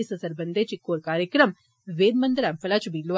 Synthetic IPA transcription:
isɐsɐɾbɐnd̪et͡ʃikːoːɾkaːɾjəkɾəm | ʋeːd̪mɐnd̪ɾɛmpɐlaːt͡ʃubilːuʋ

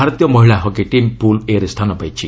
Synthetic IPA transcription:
aɾɔt̪jɔmɔɦiɭaɦɔkeʈimpuleɾst̪ʰanɔpajt͡ʃʰi

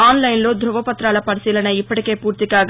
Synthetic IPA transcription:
aːnlɐjnlo̞ːd̪ɾuʋɐpɐt̪ɾaːlɐpɐɾisiːlɐnɐipːɐʈi̥keːpuːɾt̪ikaːɡ

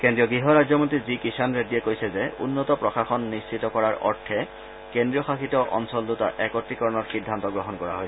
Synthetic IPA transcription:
kendɹijɔɡɹiɦɔɹajzɔmontɹizikisanɹediɛkojsɛzɛṵnːɔtɔpɹɔxaxɔnːist͡ʃitɔkɔɹaɹʔɔ̰ɹtʰːɛ | kendɹiɔxaxitɔʔɔ̰nsɔlduta̰ʔɛkɔtɹikɔɹɔnɔtxidʱːantɔɡɹɔɦɔnkɔɹa̰ɦojs

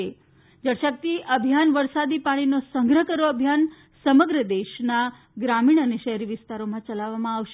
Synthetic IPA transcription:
e | d͡ʒəɽʃək̚t̪iʔəbʱjanʋəɾsad̪ipaɽ̃inosəŋɡɾəkəɾoəbʱjan | səməɡɾəd̪eʃna | ɡɾamiɳ̃əneʃəɦɛɾiʋɪst̪aɾomãt͡ʃəlaʋːamãaʋʃe

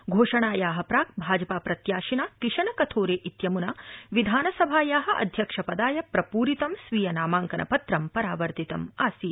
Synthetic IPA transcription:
ɡʱoːʂɐɳaːjaːɦɐpɾaːk̚bʱaːd͡ʒɐpaːpɾɐt̪jaːʃinaːkɾiʂɐnɐkɐt̪ʰoːɾeːʔit̪jɐmunɐʋid̪ʱaːnɐsɐbʱaːjaːɦɐʔɐ̰d̪ʱjɐkʂɐpɐd̪aːjɐpɾɐpuːɾit̪ɐmsʋiːjɐnaːmaːŋkɐnʔɐ̰pɐt̪ɾɐmpɐɾaːʋɐɾt̪it̪ɐmaːsi

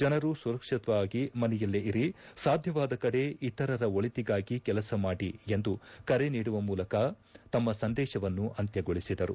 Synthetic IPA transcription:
d͡ʒɐnɐɾusuɾɐkʂit̪ʋaːɡimɐnɛjɐlːiiɾisaːd̪ʱjɐʋaːd̪ɐkɐɽe̞it̪ɐɾɐɾɐo̞ɭit̪iɡaːɡikɛlɐsɐmaːɽie̞nd̪ukɐɾeniːɽuʋɐmuːlɐkɐ | t̪ɐmːɐsɐnd̪ɛːʃɐʋɐnːuʔɐnt̪jɐɡoɭisid̪ɐɾu

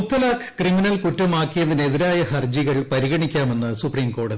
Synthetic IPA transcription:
ut̪ːɐlaːkkriminɐlkutːɐmaːkːijɐðine̞ðiɾaːjɐhɐrd͡ʑiɣɐɭpɐɾiɣɐɳikʲːaːme̞nːɨsupriːmko̞ːɽɐði

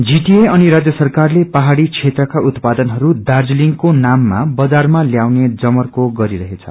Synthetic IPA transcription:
d͡ziʈieʌniɾad͡zjʌsʌrkarlepaɦaɽit͡sʰet̪rʌkaʔut̪pad̪ʌnɦʌɾud̪ard͡zliŋkonamːa̰bʌd͡zarmaljawned͡zʌmʌrkoɡʌɾiɾʌɦet͡sʰʌ̰

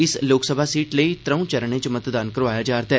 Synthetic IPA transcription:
ɪsloːksəbʱaːsiːʈləit̪ɾəũt͡ʃəɾɳ̃ẽt͡ʃəmət̪d̪aːnkəɾʋaːjad͡ʒaːɾt̪ɛ

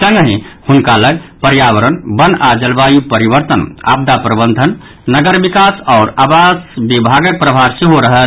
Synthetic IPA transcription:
sə̃ŋɡɦĩhunkaləɡpəɾjabəɾənbənad͡ʒəlbajupəɾibəɾt̪əna̰b̚d̪apɾəbənd̪ʱən | nəɡəɾbikasɔːɾabasbibʱaɡək̚pɾəbʱaɾseɦoɾəɦə

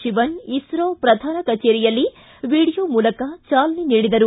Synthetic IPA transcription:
ʃiʋɐnisɾoːpɾɐd̪ʱaːnɐkɐt͡ʃeːɾijɐlːi | ʋiːɽijoːmuːlɐkɐt͡ʃaːlɐniniːɽid̪ɐɾu

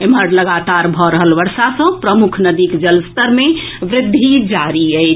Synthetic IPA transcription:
emɦəɾləɡat̪aɾbʱɔɾəɦəlʋəɾsasə̃pɾəmukʰnəd̪ikd͡ʒəlst̪əɾme | ʋɾɪd̪ʱːid͡ʒaɾiəɪt͡ʃʰ

